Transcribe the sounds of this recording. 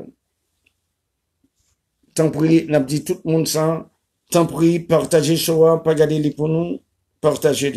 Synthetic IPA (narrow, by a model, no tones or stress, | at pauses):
t̪ɑ̃pʁinap̚d̪it̪ut̪̚mɔ̃d̪sã | t̪ɑ̃pχipaʁt̪aʒeʃoapaɡaʁd̪elipunu | paʁt̪aʒel